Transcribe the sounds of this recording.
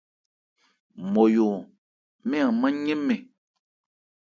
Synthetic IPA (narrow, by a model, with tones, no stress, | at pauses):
mo˨jo˨ | mɛ̃˦ã˨mã˦ɲẽ˦mɛ̃˨